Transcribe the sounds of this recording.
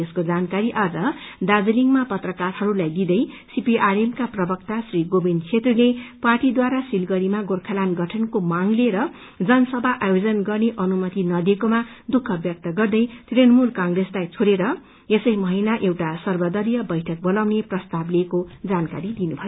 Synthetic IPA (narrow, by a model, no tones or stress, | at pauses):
eskod͡zankaɾiʔad͡zʌd̪ad͡zʌliŋmapʌt̪rʌkarhʌɾulajd̪id̪ʌjsipiʔaremkaprʌbʌkt̪asriɡobind̪t͡sʰet̪rileparʈid̪waɾasilɡʌɾimaɡorkʰalanɡʌʈʰʌnkomaŋleɾʌ | d͡zʌnʌsʌbʱaʔajod͡zʌnɡʌrneʔʌnumʌt̪inʌd̪ekomad̪ukʰːʌbjʌk̚t̪ʌɡʌrd̪ʌjt̪renmulkaŋreslajt͡sʰoɾeɾʌ | esʌjmʌɦinaʔewʈasʌrbʌd̪ʌɾijʌbʌjʈʰʌk̚bʌlawneprʌst̪ablekod͡zanka̰ɾid̪inubʱʌjo